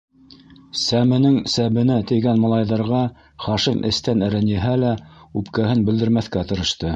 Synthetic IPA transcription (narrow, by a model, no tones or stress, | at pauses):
sæmɘ̆nɘŋsæβɘ̆næt̪ɘ̆jɡænmɑ̆lˠɑjðɑɾʁɑ | χɑʃimʔɘ̰̆st̪ænɘ̆ɾɘnjɘ̆ɦælæʉpkæɦɘnbɘ̆ld̪ɘ̆ɾmæθkæt̪ɤ̆ɾɤ̆ʃt̪ɤ